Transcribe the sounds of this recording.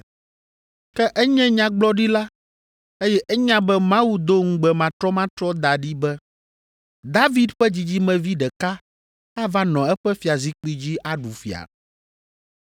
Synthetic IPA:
kɛ˦ʔɛ˦ɲɛ̃˦ɲã˦ɡ͡blɔ˦ɖi˦la˦ | e˦jɛ˦ʔɛ˦ɲã˦bɛ˦mã˦wu˦d̪o˦ŋ̩˦ɡ͡bɛ˨mã˨t̪ɾɔ˦mã˦t̪ɾɔ˦d̪a˨ɖi˦bɛ˦ | d̪a˦vi˦d̪ɸɛ˦d͡ʑi˦d͡ʑi˦mɛ̃˨vi˦ɖɛ˨ka˦ | a˦va˦nɔ̃˨ɛ˦ɸɛ˦fi˨a˨zi˦k͡pi˦d͡ʑi˦ʔa˨ɖu˨fḭ˨a̰˨

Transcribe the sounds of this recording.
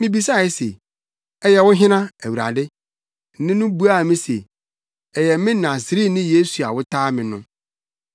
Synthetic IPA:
mɪ̃˦bi˨˦sa˦˨ɪ˦sḛ˨ | ɛ˦jɛ˨wʊ̃˦ɦɪ̃˦nã˦æ˨wu˨ɾa̰˨dɪ˦ | nɪ̃˦nʊ̃˦bu˦a˦˨mɪ̃˦sḛ˨ | ɛ˨jɛ˨˦mɪ̃˦nã˨sɪ˨ɾi˦nɪ̃˦je˦su˨a˨wʊ˦tʰaː˦mɪ̃˨nʊ̃˦

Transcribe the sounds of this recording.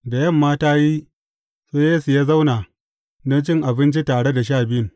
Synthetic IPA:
da˨jɐ˦˨mːaː˦taː˦ji˦ | seː˦jeː˦su˨jaː˦za˦wnaː˨ | nɐ˦t͡ʃɪ˦ŋʔa˨bɪ˦nt͡ʃi˦taː˨ɽe˦da˨ʃaː˦˨bɪ˦ɪ˨

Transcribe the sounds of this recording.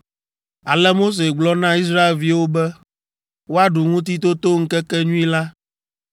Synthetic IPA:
a˨lɛ˦mo˦s̬e˨ɡ͡blɔ˦nã˦i˦s̬ɾa˦e˨lvi˦wo˦bɛ˦ | wo˦a˦ɖu˨ŋũ˦t̪̬i˦t̪o˦t̪o˦ŋ̩˦kɛ˦kɛ˦ɲũ˦i˦la˦

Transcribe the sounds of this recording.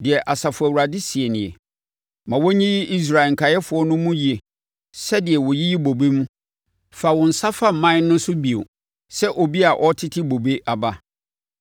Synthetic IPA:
dɪ˨ɛ˨ʔa˨sa˨fʊ˨æ˨wu˨ɾa˨dɪ˦si˨e˨nɪ̃˨ɛ˨ | mã˨wɔ˦ɲĩ˦ji˦ʔi˦s̬ɾa˨ɪ˨ŋ̩˨kʰa˨jɛ˦fʊ˨˦ɔ˦nʊ̃˦mũ˦ji˦e˨ | sɛ˦dɪ˨ɛ˨wɔ˨ji˦ji˦bo˨be˦mũ˦ | fa˨wɔ̃˨n̩˨sa˦fa˦m̩˨mã˦nʊ̃˦n˦sʊ˦bi˨o̰˨ | sɛ˦ʔo˨bi˦a˨ʔɔ˦tʰɪ˦tʰɪ˦bo˨be˦ʔa˨ba˦

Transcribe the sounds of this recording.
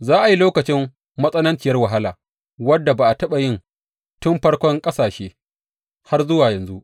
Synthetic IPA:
zaː˦ʔa˨ji˦loː˦kɐ˨t͡ʃɪ˦mː | ɐ˦sʼɐ˦nɐ˦nt͡ʃɪ˨jɐ˦rwɐ˨ɦa˦laː˨ | wɐ˦dːa˨baː˨ʔa˨tɐ˦ɓa˨jɪ˦n | tʊ˦mɸɐ˦rkʷɔ˦ŋkʼɐ˦saː˨ʃeː˦ | ha˦rzʊ˦waː˨jɐ˨nzu˦ʔ

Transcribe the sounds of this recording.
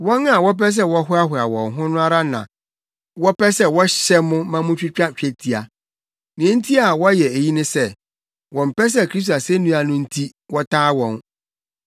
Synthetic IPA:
wɔ̃˦nã˨wɔ˦p̬ɛ˦s̬ɛ˦wɔ˦ɦʊ˦a˦ɦʊ˨a˨wɔ̃˨nɦʊ̃˦nʊ̃˦a˦ɾa˦nã̰˨ | wɔ˦pɛ˦sɛ˦wɔ˦ɕɛ˦mʊ̃˦mã˦mʊ̃˦t͡ɕᶣi˦t͡ɕᶣa˦t͡ɕᶣɛ˦tʰi˨a˨ | nĩ˨ɛ̃˦n̩˦tʰi˦a˨wɔ˦jɛ˨e˨ji˦nʊ̃˦sɛ˦ | wɔ̃˨m̩˨pɛ˦s̬ɛ˦˨kʰɾi˦s̬ta˨sɛ˦nũ˦a˨nʊ̃˦n̩˦tʰi˦ | wɔ˦tʰaː˦wɔ̃˨n

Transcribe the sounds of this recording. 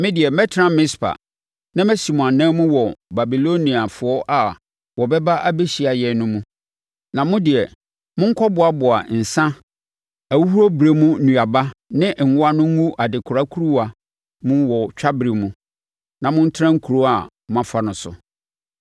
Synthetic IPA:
mɪ̃˦dɪ˨ɛ˨mɛ˦tʰɪ˦ɾã˦mɪ̃˦spʰa̰˨ | nã˦mɛ˦si˨mɔ̃˨ã˨nãː˦mũ˦wɔ˨ba˨bi˨lo˦nĩ˨a˨fʊ˨ɔ˦ʔa˨ | wɔ˨bɛ˦ba˦ʔa˦be˦ɕi˨a˨jɛ˨nʊ̃˦mũ˦ | nã˨mʊ̃˦dɪ˨ɛ˨ | mʊ̃˦ŋ̩˦kʰɔ˦bʊ˨a˨bʊ˨a̰˨n̩˨sã˦ | æ˨wu˦hu˦ɾo˦bɪ˨ɾe˦mũ˦nũ˨a˨ba˦nɪ̃˦ʔŋ̩˨ʊ˦a˦nʊ̃˦ŋ˦ŋũ˦ʔa˨dɪ˨kʰʊ˨ɾa˦kʰu˦ɾu˦a˨ | mʊ̃˦wɔ˨t͡ɕᶣa˦bɪ˨ɾe˨mũ˨ | nã˨mʊ̃˦n˦tʰɪ˦ɾã˦ŋ̩˦kʰu˨ɾo˦a˨ | m˦ã˨˦fa˨nʊ̃˨sʊ̰˨

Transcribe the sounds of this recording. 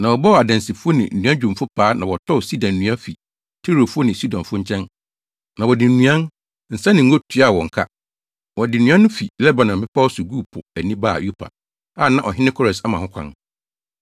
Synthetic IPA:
nã˨wɔ˨bɔ˦˨a˨dɛ̃˨nsi˨fu˦o˦nɪ̰̃˨n̩˨nũ˦ã˦d͡ʑᶣʊ̃˨m˨fʊ˦pʰaː˨˦nã˨wɔ˨tʰɔ˦˨si˦dã˨nː˨nũ˨˦ã˦fi˨ | tʰe˦ɾo˨fu˦ɔ˦nɪ̃˨si˦dɔ̃˨nfʊ˦ɲ̩˦t͡ɕʰɛ̃˦n | nã˨wɔ˨dɪ˨n̩˨nũ˨˦ã˦n | n̩˨sã˦nɪ̃˨ŋ̩˦o˦tʰu˨a˦˨wɔ̃˨ŋ̩˨kʰa˦ | wɔ˨dɪ˨nũ˨˦ã˦nʊ̃˦fi˨lɛ˦ba˨nã˨m˨bɪ˦pʰa˦wɔ˦sʊ˨ɡu˦˨pʰʊ˨æ˨nĩ˦baː˦˨ju˦pʰa̰˨ | a˦˨nã˦ʔɔ˨ɦɪ˦nɪ̃˦kʰɔ˦ɾɛ˨sa˦mã˨hʊ̃˦kʷʰã̰˦n

